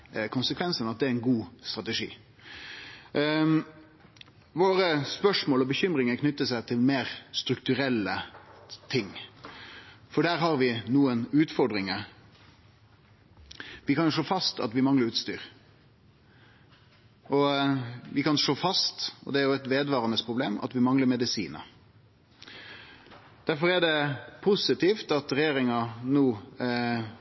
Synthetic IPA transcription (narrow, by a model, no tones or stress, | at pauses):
kʰʊnsəkʰʋɛnsənɑt̪̚d̪ɛæɾɛɪnɡuːst̪ɾɑt̪əʂḭː | ʋoːɾəspœʂmoːlɔbəçʏmɾɪŋəkʰnʏt̪ːəsæɪt̪ʰɪlmeːɾst̪ɾʉk̚t̪ʉɾɛlːət̪ʰɪŋː | fɔɖæːɾɦɑɾʋɪnuːənʉːt̪fɔɾɖɾɪŋə | ʋɪkɑnjʊʂɭoːfɑst̪ɑ̰t̪ʋɪmɑŋləɾʉːt̪st̪yːɾ | ʔɔʋɪkɑnʂɭoːfɑst̪ɔ̰d̪ɛæɾjʊɛt̪ʋeːd̪ʋɑːɾɑnəspʰʁʊbleːmɑ̰t̪ʋɪmɑŋləɾmɛd̪ɪsḭːnə̰ | d̪̥æɾfɔɾɛɖɛpʰʊsɪt̪iːft̪ɑt̪ɾɛjeːɾɪŋɑnuː